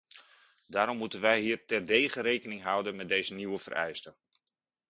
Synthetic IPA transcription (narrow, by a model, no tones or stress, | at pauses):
daːɾɔmːutənʋɛjɦiːərtɛrdejχəɾejkənɪŋɦʌwdənmɛt̚dejzəniwəvə̰rʔɛ̰jstə